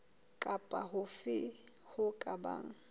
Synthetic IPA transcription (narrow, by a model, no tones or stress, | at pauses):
kʼapʼahʊfɪhʊkʼaba̰ːŋ̩